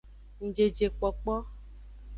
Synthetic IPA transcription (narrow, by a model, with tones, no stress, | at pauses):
ŋ̩˨d͡ʒe˨d͡ʒe˨k͡pɔ˨k͡pɔ˦